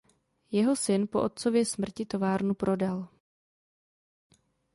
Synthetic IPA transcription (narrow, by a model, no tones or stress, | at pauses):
jɛɦo̞sɪnpo̞ʔo̞t̪̚t͡so̞vjɛsmr̩cɪt̪o̞vaːɾnupɾʔo̞dal